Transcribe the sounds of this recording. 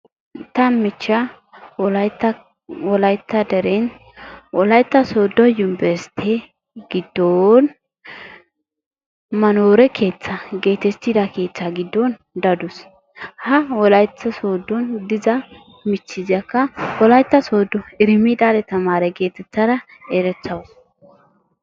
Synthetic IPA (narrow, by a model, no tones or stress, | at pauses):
t̪ɐmɪt͡ʃːɐ | wɔlɐjt̪ːɐ | wɔlɐjt̪ːɐd̪ɛɾen | wɔlɐjt̪ːɐsoːd̪ːɔjʊmbɛst̪ʰɛ | ɡ̥ɪd̪ːon | mɐnoːɾɛkʰe̞ːt͡sːɐɡe̞ːt̪ɛt͡sːɪd̪ɐke̞ːt͡sːɐɡɪd̪ːɔn | d̪ɐd̪ʊs | hɐwɔlɐjt͡sːɐsoːd̪ːɔnd̪ɪzɐ | mɪt͡sːɪzɐkːɐwɔlɐjt̪ːɐsoːd̪ːɔɪɾɪmid̪aːlɛt̪ɐmaːɾɛɡe̞ːt̪ɛt͡sːɐɾɐ | ɛɾɛt͡sːɐws